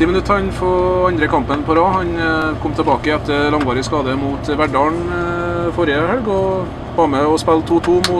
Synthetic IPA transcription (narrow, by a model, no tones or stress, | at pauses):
t̪iːmənʉt̪ʰɑnfɔɑnd̪ɾəkʰɑmpənpʰɔɾɑːhɑnkʰɔmːt̪ʰɛbɑːkəɛt̪ːəlɑŋʋɑːɾɪskɑːd̪əmuːt̪ʋæɖɑːɳ | fɔɾjəhœlɡɔ | bɑːmɛɔspɛlt̪ʰuːt̪ʰuːmʊ